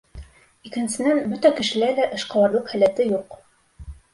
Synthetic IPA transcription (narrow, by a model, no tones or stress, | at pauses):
ikɘ̆nsɘ̆nænbɵt̪ækɘ̆ʃɘ̆læɾlæʔɤ̆ʃqɑ̆lˠɑɾlˠɤqhæ̆læt̪ɘjuq